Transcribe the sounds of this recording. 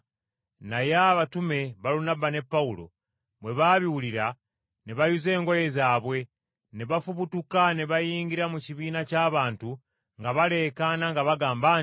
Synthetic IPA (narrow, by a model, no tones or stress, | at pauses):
najaβatume̞βaɾunabane̞pːaulo̞̰ | βwe̞βaβiwuliɾa | neβajuze̞ːŋɡo̞je̞zaːβwe̞ | neβafuβutukaneβajiːŋɡiɾamuciβiːnacaːβaːntu | ŋɡaβale̞ːkanaŋɡaβaɡaːmba